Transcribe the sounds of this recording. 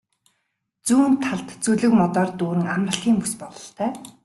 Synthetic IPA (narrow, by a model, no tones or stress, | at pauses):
t͡suːnt̪ʰːaɮt̪t͡suɮɵ̆kmɔt̪ɔːrt̪uːɾɘ̆ŋamrə̆ɮxiːŋpuspɔɮɞ̥̆ɬt̪ʰœː